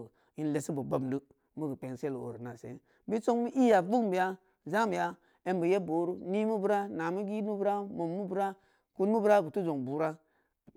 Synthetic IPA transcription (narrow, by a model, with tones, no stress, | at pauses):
i˨˦n˦le˨si˦bo˨ba˨bmdɨ˦ | mu˦ɡə˨pe˨ŋse˦lo̰˨ɾi˨na˨sḛ˨˦ | bi˦so˦ŋmi˦ʔi˦ja˨vu˦kbi˨ja˦ | za˦mi˨ja˦ | e˦mbə˨je˦bo˨˦ɾu˦ni˦mu˦bu˦ɾa˦na˨mi˦ɡi˦nu˦bu˦ɾa˦mo˨mːu˦bu˦ɾa˦ | ku˦nmu˦bu˦ɾa˦ɡu˨tu˦zo˨ŋbu˨ɾa˦